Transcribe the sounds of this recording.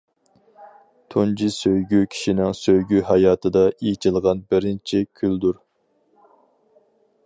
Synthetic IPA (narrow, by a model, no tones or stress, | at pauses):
t̪ʰund͡ʒisøjɡʲykʲʰi̥ʃinɪŋsøjɡʲyhɑjɑːt̪ʰɨd̪ɑit͡ʃʰilˠʁɑnbɪɾɪnt͡ʃʰikʲʰyld̪uɾ